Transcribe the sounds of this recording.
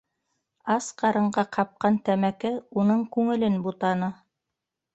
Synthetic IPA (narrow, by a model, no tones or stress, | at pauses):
ɑsqɑɾɤ̆ɴɢɑqʰɑp̚qɑnt̪æmækɘunɤɴkʉŋɘ̆lɘnbut̪ɑnɤ